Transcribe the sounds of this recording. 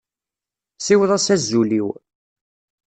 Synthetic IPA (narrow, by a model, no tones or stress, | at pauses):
siwəðˤæsæzːuliw